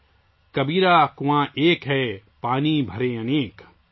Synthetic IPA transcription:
kɐbiːɾaːkʊwãːʔeːkɦɛpaːnibʱɐɾeɐneːk

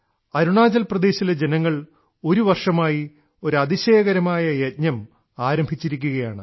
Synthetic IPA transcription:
ɐɾuɳaːd͡ʑɐlprɐd̪e̞ːɕiled͡ʑe̞nɐŋːɐɭ | o̞ɾuʋɐrʂɐmaːji | o̞ɾuɐd̪iɕeːɐɣɐɾɐmaːjɐjet̪̚ɲɐm | aːɾɐmbʱit͡ɕːiɾikʲːuɣɐjaːɳɨ

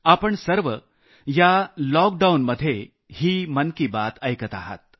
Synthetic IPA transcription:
apəɳsəɾʋə | jalɔk̚ɖaunməd̪ʱːje | hiːmənkibat̪əjkət̪a̰ɦə̰t̪̚

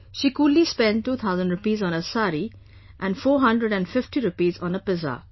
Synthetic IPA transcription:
ʃikuːlispɛ̃nɖʈːuːt̪ʰaʊzə̃nɖɾʊpiːzɔ̃nəsaːɾi | ʔæ̃nfoːɦʌ̃ndɾəɖæ̃nɖfɪfʈiɾʊpiːzɔ̃nəpɪza̰ː

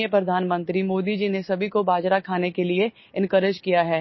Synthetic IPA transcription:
jəpɾɐd̪ʱaːnmə̃nt̪ɾimoːd̪id͡ʒinesɐbʱikobaːd͡ʒɾakʰaːnekelie | ɪ̃nkəɾɪd͡ʒkijaɦɛː

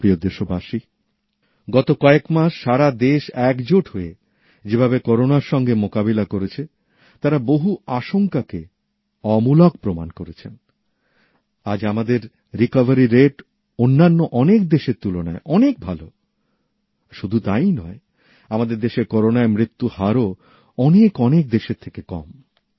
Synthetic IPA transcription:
pɾiod̪eʃobaʃi | ɡɔt̪okɔekmaʃʃaɾad̪eʃɛkd͡ʑoʈɦoe | d͡ʑebʱabekɔɾonaɾʃɔŋɡemokabelakoɾet͡ɕʰe | t̪aɾaboɦuaʃoŋkake | ɔmulakpɾomankoɾet͡ɕʰen | a̰d͡ʑamad̪eɾː | ikavaɾiɾeʈ | onːanːoʔɔnek̚d̪eʃeɾt̪ulona̰eʔɔnek̚bʱalo | ʃud̪ʱut̪ajnɔ̰e | amad̪eɾd̪eʃeɾkɔɾonaemɾit̪ːuhaɾo | ɔnekɔnek̚d̪eʃeɾt̪ʰːekekɔ̰m

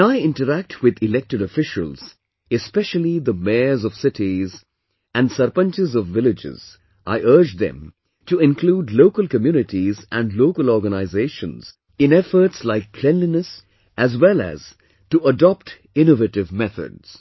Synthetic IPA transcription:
aɪɪ̃nʈəɾæk̚tʰwɪd̪ɪlɛk̚ʈɨɾəfɪʃə̰lz̥ | ɨspɛʃəlid̪əmezɔv̥sɪtiz | æ̃nɖsəɾpə̃nt͡ʃɪzɔvːɪlɪd͡ʒɪ̰z̥ | ʔa̰ɪʔɜɾd͡ʒd̪ɛ̰̃m | tuɪ̃nkʰluːdloʊkəlˠkəmjunɪʈizʔæ̃nɖloʊkəlɔɾɡənaɪzeɪʃə̃nz̥ | ɪ̃nɛfəɾʈslaɪkːʰl̥ɛ̃nlinəs | ʔæzwɛlæ̰z̥ | tuədɔp̚t | ɪ̃novəʈɪvmɛθə̰dz̥

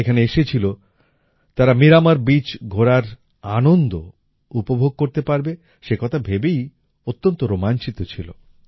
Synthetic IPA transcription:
ekʰaneeʃet͡ɕʰilo | t̪aɾamiɾamaɾbit͡ɕɡʱoɾaɾ | anond̪o | upobʱoɡ̚koɾt̪epaɾbe | ʃekɔt̪ʰabʱebej | ot̪ːont̪oɾomant͡ɕit̪ot͡ɕʰilo̰

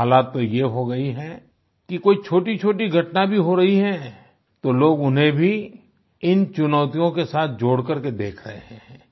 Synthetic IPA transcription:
ɦaːlaːt̪ːojeɦoɡɐiɦɛ | kikoːit͡ʃʰoːʈit͡ʃʰoːʈiɡʱɐʈnabʱiɦoɾɐɦiɦɛ̃ː | t̪oloːɡʊnɦẽbʱi | ɪnt͡ʃʊnɔːt̪ijõkesaːt̪̚ʰd͡ʒoːɽkɐɾked̪eːkʰɾɐɦḛɦɛ̃ɦɛ̃ː

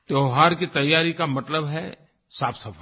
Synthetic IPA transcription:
t̪oːɦaːɾkit̪ɐjːaːɾikamɐt̪ləbɦɛ | saːpʰsɐfʰə

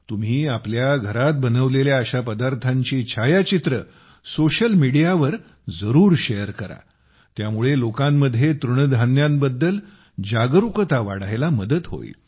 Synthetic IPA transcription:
t̪um̤iːapljaɡʱəɾat̪̚bənəʋleljaːɕapəd̪aɾt̪ʰaɲt͡ɕiːt͡ɕʰajat͡ɕit̪ɾə | soɕəlmiɽijaʋəɾ | d͡zəɾuːɾɕejəɾkəɾa̰ | t̪jamuɭelokãmːəd̪ʱjet̪ɾuɳd̪ʱanjambəd̪ːəl | d͡ʑaɡɾukət̪aʋa̰ɽajlaməd̪ət̪ɦo̰ḭ

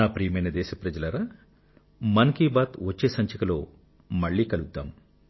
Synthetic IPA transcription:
aːpɾijmɐjnɐd̪ɛːʃɐpɾɐd͡ʒɐlɐɾaː | mɐnɐkibaːt̪ʋɐt͡ʃːeːsɐɲt͡ʃɐkɐlo̞̰ː | mɐɭːiːkɐlud̪ːaːm

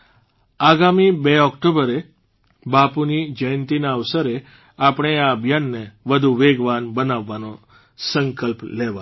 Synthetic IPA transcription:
aɡamibeɔkʈobəɾe | bapunid͡ʒəjənt̪inaəʋsəɾe | apɳ̃eaəbʱjanːeʋəd̪ʱuʋeɡʋanbənaʋːano | səŋkəlpleʋa

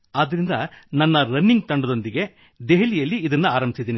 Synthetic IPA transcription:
aːd̪ɐɾind̪ɐnɐnːɐɾɐnːiŋɡt̪ɐɳɖud̪o̞nd̪iɡe̞ | d̪eɦɐlijɐlːiːd̪ɐnːuaːɾɐmbisid̪iːni

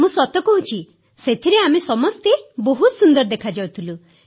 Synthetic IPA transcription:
musɔt̪ɔkɔɦũt͡ʃʰi | set̪ʰiɾeamesɔmɔst̪eboɦut̪sund̪ɔɾd̪ekʰad͡ʒawt̪ʰilu

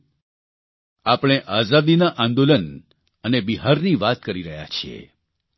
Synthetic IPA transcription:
apɽ̃eʔazad̪inaʔãnd̪olən | ənebiɦaɾniʋat̪̚kəɾiɾəɦja̰t͡ʃʰiḛ

